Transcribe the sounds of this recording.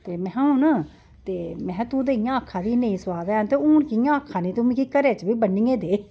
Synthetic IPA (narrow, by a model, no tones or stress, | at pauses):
t̪eːmɛ̃ːũːna | t̪eːmɛ̃ːt̪ũːd̪eijãːəkʰːãːd̪iːnəĩːsʋaːd̪ɛːnt̪euːnkijãːəkʰːãːnĩːt̪ʊmĩkiːkəɾeːt͡ʃbiːbənːĩːẽːd̪eː